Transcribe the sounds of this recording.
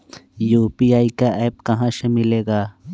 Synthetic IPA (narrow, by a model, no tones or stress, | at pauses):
juːpiaːikaʔɛːpkɐɦãʃemɪleːɡaː